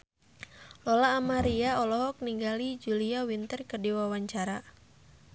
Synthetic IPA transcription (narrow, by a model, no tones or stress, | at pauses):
lɔlaːmaɾiaɔlɔɦɔk̚niŋɡalid͡ʒuliawint̪ərkədiwawaɲt͡ʃaɾa